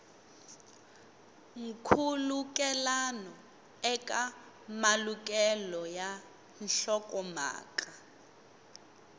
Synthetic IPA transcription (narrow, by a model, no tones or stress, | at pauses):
ŋ̩kʰulukʼɛlanɔ | ɛkʼa | malukʼɛlɔja | n̩ɬɔkʼɔma̰ːka